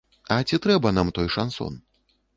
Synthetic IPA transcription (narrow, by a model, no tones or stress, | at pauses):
ɐt͡sʲit̪ɾɛbɐnamt̪ɔjʂa̰nsɔ̰n